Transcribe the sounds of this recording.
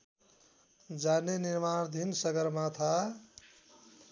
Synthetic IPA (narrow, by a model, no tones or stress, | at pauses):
d͡ʒaneniɾmaɾd̪ʱinsəɡəɾmat̪ʰa